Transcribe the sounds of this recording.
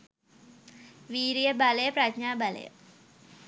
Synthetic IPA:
ʋiːɾijəbɐlɐjəpɾɐɡɲaːbɐlɐ̰jə̰

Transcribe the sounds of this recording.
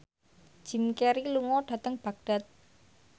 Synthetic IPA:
ʒ̥i̤mkeɾiluŋɔɖ̥ä̤t̪əŋb̥ä̤k̚ɖ̥a̤t̪̚

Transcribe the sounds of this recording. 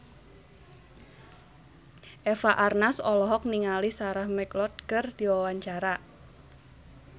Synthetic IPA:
ʔɛfaʔarnasɔlɔɦɔk̚niŋalisaɾahmɛklɔt̪̚kɨrd̪̥iwawaɲt͡ʃaɾa

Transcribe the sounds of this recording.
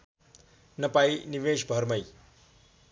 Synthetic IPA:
nʌpajniʋesbʱʌɾmʌj

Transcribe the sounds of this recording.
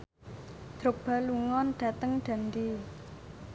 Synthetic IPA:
d̪̥ɾʊk̚b̥a̤luŋɔnɖ̥ä̤t̪əŋɖ̥a̤nd̪i

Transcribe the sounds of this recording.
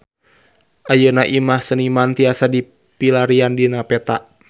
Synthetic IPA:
ʔajənaʔimahsənimant̪iasadi | pilaɾiandinapɛt̪a

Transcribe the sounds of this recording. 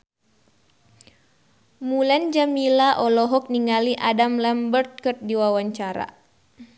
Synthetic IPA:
muland͡ʒamilaʔɔlɔɦɔk̚niŋaliʔadamlɛmbərt̪̚kərt̪̚diwawaɲt͡ʃaɾa̰

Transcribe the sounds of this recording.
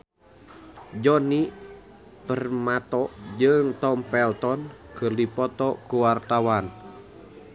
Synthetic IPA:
d͡ʒɔni | pərmat̪ɔʔd͡ʒɨŋt̪ɔmpɛlt̪ɔnkərdipɔt̪ɔkuwart̪awan

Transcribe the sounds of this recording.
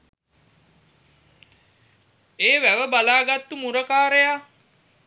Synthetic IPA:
eːʋæʋəbalaːɡat̪ːumuɾəkaːɾeja

